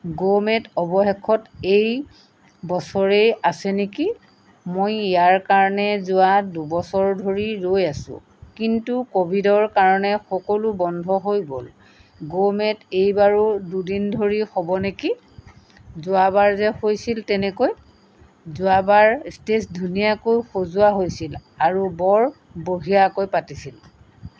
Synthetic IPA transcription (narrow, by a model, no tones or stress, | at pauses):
ɡomɛtɔbɔɦɛkʰɔtej | bɔsɔɹeasɛneki | mojijaɹkaɹɔnɛzʊwadubɔsɔɹdʱoɹiɹojasʊ̰̃ | kintukobʱidɔɹkaɹɔnɛxɔkɔlubɔndʱɔɦojbo̰l | ɡomɛtejbaɹududindʱoɹixɔbɔneki | zʊabaɹzɛxojsiltɛnɛkoj | zʊabaɹstesdʱunijakojxozʊwaɦojsilaɹubɔɹ | boɦijakojpatisil